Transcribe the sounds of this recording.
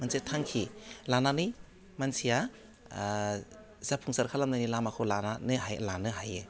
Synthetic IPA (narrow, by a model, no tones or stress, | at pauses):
mansʰijatʰaŋkʰilananɯj | mansʰija | zapʰuŋsaɾkʰalamnajnilamakʰɯlananɯɦajlanɯɦajɯ